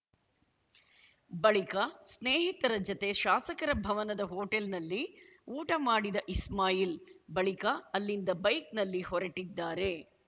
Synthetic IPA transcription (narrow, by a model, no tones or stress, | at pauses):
bɐɭikɐsneːɦit̪ɐɾɐd͡ʒɐt̪e̞ʃaːsɐkɐɾɐbʱɐʋɐnɐd̪ɐɦoːʈelnɐlːiuːʈɐmaːɽid̪ɐʔismaːjilbɐɭikɐːlːind̪ɐbɐjknɐlːihɔɾɐʈid̪ːaːɾe̞